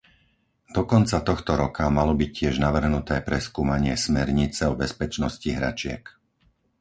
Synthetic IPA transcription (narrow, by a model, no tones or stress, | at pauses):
d̪̥ɔkɔnt͡sat̪ɔxt̪ɔɾɔkamalɔbic̚cːɪɛʒnaʋr̩ɦnut̪ɛːpɾɛskuːmaɲɪɛsmɛɾɲit͡sɛɔbɛspɛt͡ʃnɔsciɦɾa̰t͡ʃɪɛ̰k